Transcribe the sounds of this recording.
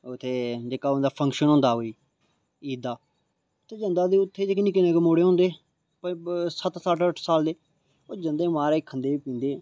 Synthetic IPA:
ʊt̪ʰːeːd͡ʒeːkaːond̪aːpʰə̃ŋkʃənɦõːnd̪aːɦoːiː | iːd̪aː | t̪eːd͡ʒənd̪aːd̪eːʊt̪ʰːeːd͡ʒeːkniːkɪneːkemoːɽeːɦõːnd̪eː | pəsət̪səʈəʈʰsaːld̪eː | oːd͡ʒənd̪eːmaːɾeːkʰənd̪eːiːpĩːnd̪eː

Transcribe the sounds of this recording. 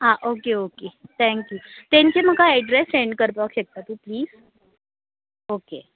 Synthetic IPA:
ɦaʔokeoket̪ʰɛ̃ŋkjut̪ɛ̃ɲt͡ɕem̤əɡaɛɖɾeseɳɖkəɾpakɕek̚t̪at̪uːpliːz̥ | oke

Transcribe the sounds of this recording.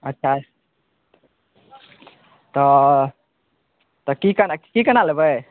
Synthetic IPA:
ətːʃʰa | t̪ɔ | t̪ɔkikənakikənalebəj

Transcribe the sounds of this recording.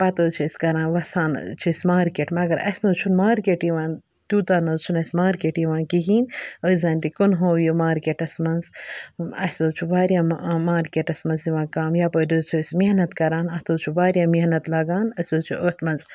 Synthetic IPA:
pɐt̪oːt͡ʃʰisʲkɐɾãːnʋɐsaːn̰t͡ʃʰisʲmaːɾkeːʈmɐɡɐɾɐ̰sʲnɐːt͡ʃʰunmaːɾkeʈjiʋaːn | t̪juːt̪aːnɐzt͡ʃʰunɐsʲmaːɾkeːʈjiʋãːnkiɡiːnəzɐːnʲt̪ikonɦoːjomaːɾkeːʈɐsmɐnz | ɐ̰soːt͡ʃʰubaːɾjaːmaːɾkʲeːʈɐsmɐnziʋãːnkaːmjaːpəːd̪oːzt͡ʃʰusʲmihnɐt̪kɐɾaːnɐt̪oːt͡ʃʰubaːɾʲjaːmihnɐt̪lɐɡaːnəsoːt͡ʃʰṵʔət̪ʰmɐnz

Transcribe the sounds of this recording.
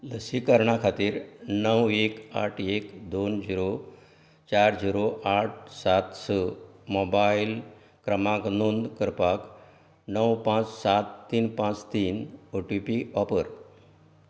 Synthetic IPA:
ləsikəɾɳakʰat̪iːɾnəweka̰ʈʰekd̪ond͡ʑiɾo | t͡ɕaɾd͡ʑiɾoʔaʈ̚ʰsat̪səmobail | kɾəmãknond̪kəɾpak | nəwpãt͡ssat̪ːiːnpãt͡st̪iːnoʈupiɔpəɾ

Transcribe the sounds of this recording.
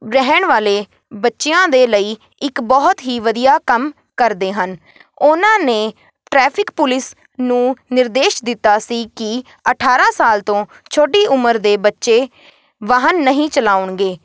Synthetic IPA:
ɾɛɦəɳʋaːleː | bətːʃejãːd̪eːləiː | ɪkbɔːt̪ɦiːʋəd̪ijaːkəm | kəɾd̪eːɦən | ʊnãːneː | ʈɾɛːpʰɪkpʊlɪs | nũːnɪɾd̪eːʃd̪ɪt̪ːaːsiːkɪ | əʈʰaːɾãːsaːlt̪õː | t͡ʃʰoːɖiːʔʊməɾd̪eːbətːʃeː | ʋaːɦənːəɦĩːt͡ʃəlaːʊɳɡeː

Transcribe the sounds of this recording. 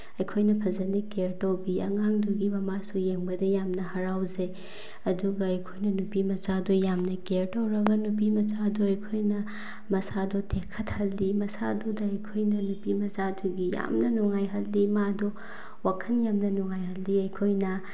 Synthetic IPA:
ɐjkʰojnɐpʰɐzɐnikeɾtɐwbiɐ̰ŋaŋduɡimɐmasujeŋbɐdɐjamnɐhɐɾawze | ɐduɡɐɐjkʰojnɐnupimɐsadujamnɐkeɾtɐwɾɐɡɐnupimɐsadoɐjkʰojnɐ | mɐsadotʰekʰːɐthɐlːimɐsadudɐɐjkʰojnɐnupimɐsaduɡija̰mnɐnuŋajɦɐlːimado | wakʰɐnjamnɐnuŋajhɐlːiɐjkʰojnɐ

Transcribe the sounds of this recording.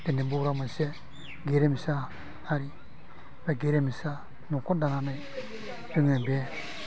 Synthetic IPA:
denebuɾamase | ɡeɾemisa | aɾi | beɡeɾemisa | nɔkɔdananaj | bɯŋɛbe

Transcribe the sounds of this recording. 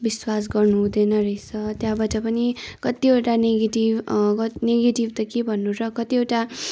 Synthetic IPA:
biswas̬ɡʌrnuɦũd̪ʌjnʌɾʌjt͡sʰʌt̪jãbʌt͡sapʌnikʌt̪ieʈaneɡeʈibkʌneɡeʈibt̪ʌkebʱʌnːuɾʌkʌt̪iewʈa

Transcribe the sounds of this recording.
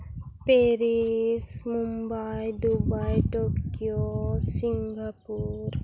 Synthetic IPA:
peːɾismumbajd̪ubajʈoːkijosiŋɡapuːɾ

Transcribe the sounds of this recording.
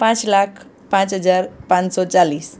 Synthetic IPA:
pãt͡slakʰ | pãt͡sɦəd͡zaɾpãnsɔt͡saliːs

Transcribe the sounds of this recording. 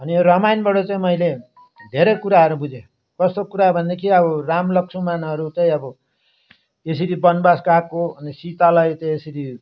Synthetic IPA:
ʌnioɾʌmajnbʌɽʌt͡saĩmʌjle | d̪ʱeɾʌjkuɾaɦʌɾubud͡zʱe | kʌst̪okuɾabʱʌnd̪ekʰiʌbʌramlʌksʰumanɦʌɾut͡sãĩʌbʌ | esiɾibʌnbaskakːoʌnisit̪alʌjt͡saĩesiɾi

